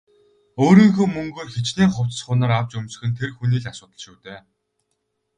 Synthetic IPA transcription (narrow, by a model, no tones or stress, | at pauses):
oːɾiːŋxuːmɵŋɡɵːrxet͡ɕniːŋχʊw̥t͡ssχʊːnaːɾaw̥t͡ɕɵmsɘ̥̆xɘ̆nt̪ʰerxuniːɮasʊːt̪ə̆ɮʃuːt̪eː